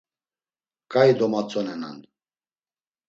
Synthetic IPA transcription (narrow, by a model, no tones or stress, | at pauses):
kʼaid̪ɔmat͡sʼɔnɛna̰n